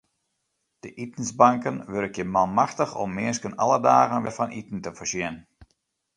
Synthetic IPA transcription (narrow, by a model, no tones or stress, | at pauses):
d̥əʔitən̩zbaŋkənʋøɾəkjəmalˠmaxtəxɔ̰mːɪskənɑ̰lˠədaːɣənʋɛrfɑnʔitn̩təfərsɪn